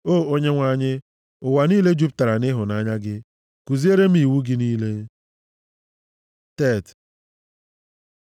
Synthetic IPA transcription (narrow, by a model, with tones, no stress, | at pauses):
oː˦˨o˦ɲe˦ŋʷa˨ɲɪ˦ | ʊ˨wa˨ni˦le˦d͡ʒu˦p̚ta˨ɾa˨nɪ˦ɦʊ˨na˦ɲa˦ɡɪ˦ | ku˨zi˦e˦ɾe˦m̩˦i˨wu˦ɡɪ˦niː˦le˦ | te˦˨t